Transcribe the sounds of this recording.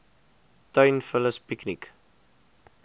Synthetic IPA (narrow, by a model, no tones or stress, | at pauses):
tœɥnfələspiknik